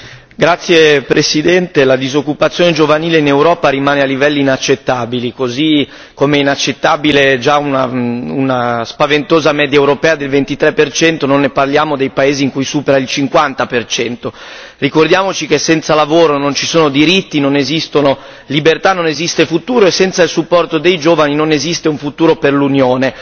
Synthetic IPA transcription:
ɡɾat̪sːjepɾesid̪ɛnt̪elad̪izokːupat̪sjoːned͡ʒovaniːleinewɾɔːpaɾimaːnealːivɛlːiːnat͡ʃːet̪ːaːbilikozi | komeɛinat͡ʃːet̪ːaːbiled͡ʒaunaṵnaspavent̪oːzamɛːd̪jaewɾopɛːad̪elvent̪it̪ɾɛpːert͡ʃɛnt̪ononːeparljaːmod̪ejpaeːziːŋkujsuːpeɾailt͡ʃiŋkwant̪apert͡ʃɛnt̪o | rikord̪jaːmot͡ʃik̟esːɛnt̪salavoːɾonont͡ʃisoːnod̪iɾit̪ːinonezist̪ono | libert̪anːonezist̪efut̪uːɾoesːɛnt̪sailsupːɔrt̪od̪ejd͡ʒoːvaninonezist̪euɱfut̪uːɾoperlunjoːne

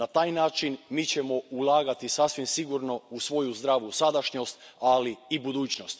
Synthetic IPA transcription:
nat̪aːjnaːt͡ʃinmiːt͡ɕemo̞ulˠaːɡat̪isasʋimsiɡuɾno̞usʋo̞juzd̪ɾaːʋusad̪aʃɲo̞st̪aliːbud̪uːt͡ɕnost̪

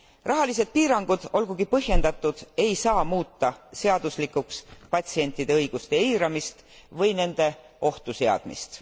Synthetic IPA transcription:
rʔɑɦɑlis̬e̞d̪̥̚piːɾɑŋɡ̥ud̪̥o̞lɡ̥uɡ̥ipɤɦje̞nd̪̥ɑt̪ːˑud̪̥e̞jsɑːmuːt̪ːɑseɑd̪uslikːˑukspɑt̪ʲsie̞nʲt̪ːˑid̪̥e̞ɤjɡ̥ust̪e̞iːɾɑmist̪ | vɤjne̞nd̪̥e̞ | o̞ht̪use̞ɑ̰d̪̥mḭst̪

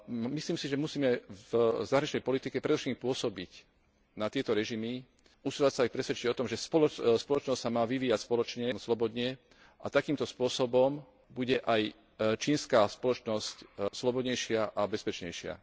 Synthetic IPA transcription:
misliːmsiʒɛmusiːmɛvzaɦɾaɲit͡ʃnɛjpɔlit̪ikɛpɾɛd̪ɔfʃɛkimpʊɔsɔbic | nat̪ɪɛt̪ɔɾɛʒimi | usilacsaapɾɛsʋɛt͡ʃiɟɔt̪ɔmʒɛspɔlɔspɔlɔt͡ʃnɔscsamaːʋiʋiːjacspɔlɔt͡ʃɲɛmslɔbɔd̪ɲɛ | ʔa̰t̪akiːmt̪ɔspʊɔsɔbɔm | buɟɛʔaj | t͡ʃiːnskaːspɔlɔt͡ʃnɔscslɔbɔd̪ɲɛjʃɪaʔabɛspɛt͡ʃɲɛjʃɪa̰

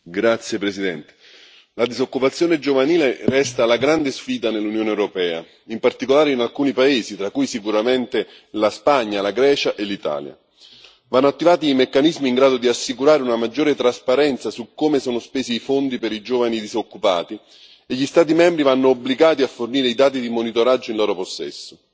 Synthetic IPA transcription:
ɡɾat̪sːjepɾesid̪ɛnt̪e̥ | lad̪izokːupat̪sːjoːned͡ʒovaniːlerɛst̪aːlaɡɾand̪esfiːd̪anelːunjoːneɛwɾopɛːa̰ | impart̪ikolaːɾeinalkuːnipaeːzit̪ɾakːujsikuɾament̪e | laspaɲːalaɡɾɛːt͡ʃaʔelːit̪a̰ːlja̰ | vanːoat̪ːivaːt̪iːmekːanizmiːŋɡɾaːd̪od̪iasːikuɾaːɾeunamad͡ʒːoːɾet̪ɾaspaɾɛnt̪sasukːomesoːnospeːziːfond̪ipeɾid͡ʒoːvanid̪izokːupaːt̪i | eʎːist̪aːt̪̬imɛmbɾivanːoːbliɡaːt̪iafːorniːɾeid̪aːt̪̬id̪imonit̪oɾad͡ʒːoinlɔːɾoposːɛ̰sːo

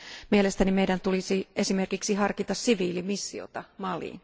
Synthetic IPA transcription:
mielest̪ænimejdænt̪ulisiesime̞rkiksiɦɑrkit̪ɑssiʋiːlimisːio̰t̪ɑmɑlḭːn

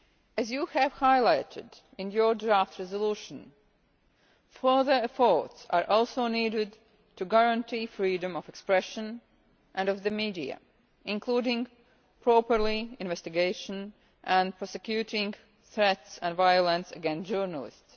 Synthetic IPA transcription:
ɨzjuhæv̥haɪlaɪɾɪ̰d | ɪ̃njə˞dɹaftɹɛzəluːʃə̃n | fɜ˞ðə˞ɛfɔɹtsa̰ɹʔɔlˠsoʊniːɾɪd | tʰuɡaɹə̃ntʰifɹiːdə̃mɔvɛkspɹɛʃə̃n | ʔæ̃nʌvðɨmiːdiɨ̰ | ɪ̃nkʰluːɾɪ̃ŋ | pʰɹ̥ɔpə˞liɪ̃nvɛstɪɡeɪʃə̃n | ʔə̃npʰɹ̥ɔsɨkjuɾɪ̃ŋ | θɹɛtsə̃nvaɪəlˠə̃nsə̰ɡɛ̃nsd͡ʒɜɹnəlˠɪ̰sts

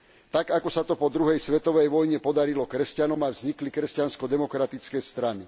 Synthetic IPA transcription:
t̪aɡakɔsat̪ɔpɔd̪ɾuɦɛjsʋɛt̪ɔʋɛjʋɔjɲɛpɔd̪aɾilɔkɾɛscanɔmavzɲiklikɾɛscanskɔd̪ɛmɔkɾat̪it͡skɛjst̪ɾani

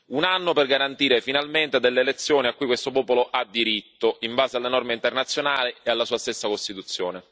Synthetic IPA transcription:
unanːoperɡaɾant̪iːɾefinalment̪ed̪elːeːlet̪sːjoːniakːuːjkwest̪opɔːpoloʔad̪ːiɾit̪ːoimbaːzealːenɔrmeint̪ernat̪sːjonaːliealːasuːast̪esːakost̪it̪ut̪sːjo̰ːne

